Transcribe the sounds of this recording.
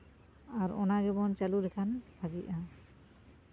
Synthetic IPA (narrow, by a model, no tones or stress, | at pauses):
aɾɔ̰naɡɛbɔnt͡ʃalulɛkʰanbʱaɡiʔa